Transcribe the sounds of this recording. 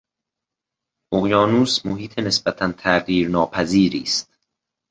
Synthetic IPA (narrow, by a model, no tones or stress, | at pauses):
ʔoɣjɒːnuːsmoɦiːt̪ʰene̞sb̥æt̪ʰænt̪ʰæɢiːɾnɒːpʰæziːɾiːst̪̚